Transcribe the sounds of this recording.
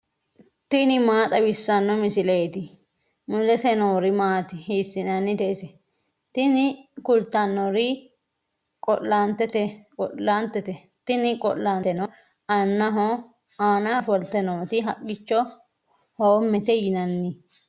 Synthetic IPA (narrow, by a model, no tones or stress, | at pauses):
t̪ɪnɪmaːt̪ʼɐbɪsːɐnːɔmɪsɪleːt̪ɪ | mʊlɛsɛnoːɾɪmaːt̪ɪhiːsːɪnɐnːɪd̪ɛɪsɛ | t̪ɪnɪkʊlt̪ːɐnːɔɾɪ | kʼɔʔːant̪ɛt̪ɛkʼɔʔant̪ːɛt̪ɛ | t̪ɪnɪkʼɔ̰lːant̪ɛnɔ | ɐnːɐɦɔ | aːnɐfɔlt̪ːɛnɔːt̪ɪɦɐkʼːɪt͡ʃːɔ | hoːmːɛt̪ɛjɪnɐnːɪ